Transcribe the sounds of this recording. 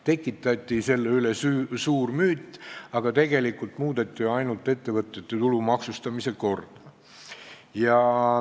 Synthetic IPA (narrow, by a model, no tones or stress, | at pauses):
t̪e̞kːˑit̪ːˑɑt̪ʲːˑise̞lːeylesysuːrmyːt̪ːˑɑɡ̥ɑt̪e̞ɡ̥e̞likːˑult̪muːd̪̥et̪ʲːˑiɑjnult̪ːˑe̞t̪ːe̞vɤt̪ːˑet̪ːe̞t̪ulumɑksust̪ɑmise̞ko̞rd̪̥ɑ | jɑ